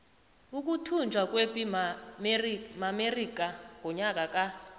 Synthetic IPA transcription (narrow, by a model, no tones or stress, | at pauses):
uk̬ʼutʰund͡ʒʱwak̬ʼwepʼi | mamerik̬ʼaŋʱɔɲak̬ʼak̬ʼa